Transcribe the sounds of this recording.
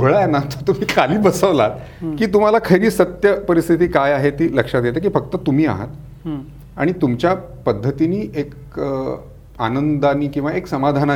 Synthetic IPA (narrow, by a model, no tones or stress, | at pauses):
ɭajenat̪ot̪um̤iːkʰaliːbəsəʋlat̪̚ | kiːt̪um̤alakʰəɾiːsət̪jəpəɾist̪ʰit̪iːkajaɦet̪iːləkʂat̪jet̪ek̬iːfək̚t̪ət̪um̤iːa̰ɦə̰t̪ | a̰ɽ̃it̪umt͡ɕjapəd̪ʱːət̪iniːʔek | a̰nənd̪aniːkĩw̃ʋaeksəmad̪ʱana